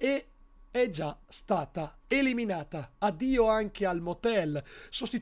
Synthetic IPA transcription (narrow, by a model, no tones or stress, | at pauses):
e | ɛd͡ʒast̪aːt̪a | eliminaːt̪aːd̪iːoaŋk̟ealmot̪ɛlsost̪i